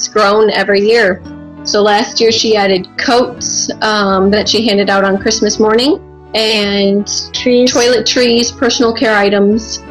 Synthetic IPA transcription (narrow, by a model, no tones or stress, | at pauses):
zɡ̥ɹõʊ̃nɛ̰vɹijɪɹ | soʊlæst̚jɪɹʃiæɾɨd̚kʰoʊtsʌ̃mðɨtʃiɦæ̃ndɨɾaʊɾn̩kʰɹ̥ɪsmɨsmɔɹnɪ̃ŋ | ɨ̃ntʰɹ̥itʰɔɪlˠɨtʰɹ̥iz̥pʰɜ˞sn̩l̩ˠkʰɛɹaɪɾə̃mz̥